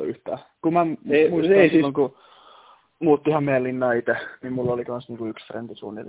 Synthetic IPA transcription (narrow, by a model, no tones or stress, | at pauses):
y̰ht̪æ̰ːkumæmuisɑslːoŋku | muːt̪ːihɑmmeijælinːɑːit̪enimmulːolikɑnsniːŋkuyksfrḛnd̪isṵːnːḭl